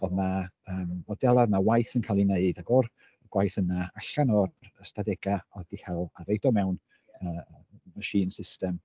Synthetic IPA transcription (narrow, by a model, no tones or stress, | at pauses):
ɔnaəːmɔdɛlˠaðnawajθənkʰalˠineɨdaɡɔr | əɡ̥wajθənaaɬanɔəstadɛɡaɔðd̥ihɛlˠaɾejdɔmɛwn | əːmaʃiːnsɪstɛm